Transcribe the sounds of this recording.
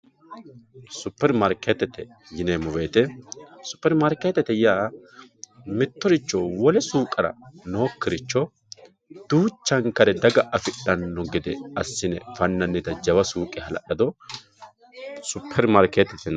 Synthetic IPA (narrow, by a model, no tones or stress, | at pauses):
sʊpːɛɾmɐɾket̪ɛt̪ɛ | jɪnemʊweːt̪ɛsʊ̥pːɛɾmɐɾkeːt̪ːɛt̪ɛjaː | mɪt̪ːɔɾɪt͡ʃːɔwɔlɛsuːkʼːɐɾɐ̰no̞ːkːɪɾɪt͡ʃːɔ | d̪̥uːt͡ʃːɐŋkɐɾɛd̪ɐɡɐʔɐfɪɗɐnːɔɡɪd̪ɛɐsːɪnɛfɐnːɐnːɪt̪ɐd͡ʒɐwɐsuːkʼɛhɐlɐ̰ɗɐd̪ɔ | sʊpʰːɛɾmɐɾkeːt̪ɛt̪ɛn